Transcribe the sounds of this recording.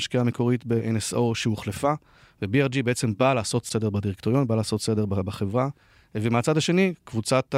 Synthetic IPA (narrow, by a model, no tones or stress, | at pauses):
ʃkiamekʰo̞ʁitbeʔeneso̞ʃeuχlefa | vebieʁd͡ʒibeet͡se̞mbalaːso̞t̪se̞de̞ʁbadiʁekto̞ʁjo̞nbalaːso̞tse̞de̞ʁbbaχe̞vʁa | vemeat͡sadaʃe̞nikvut͡sat̪